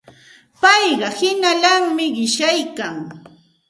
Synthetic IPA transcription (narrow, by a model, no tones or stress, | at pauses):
pɑjɢɑhɪnalaŋmɪɢɪʃajkaŋ